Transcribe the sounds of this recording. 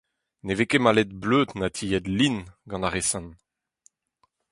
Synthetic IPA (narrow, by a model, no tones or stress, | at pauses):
nevekemalet̪̚bløːd̪nat̪ʰijɛd̪linɡɑ̃naʁesɑ̃n